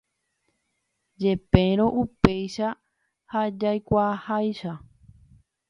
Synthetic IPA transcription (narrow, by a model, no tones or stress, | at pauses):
d͡ʒe̞pẽɾ̃õʔupejʃa | had͡ʒajkʷahajʃa